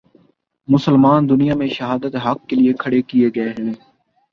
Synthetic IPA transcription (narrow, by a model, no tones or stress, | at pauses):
mʊsəlmaːnd̪ʊnijaːmẽʃəɦaːd̪ət̪ɦɐkːeliekʰəɽekieɡɐeɦɛnẽː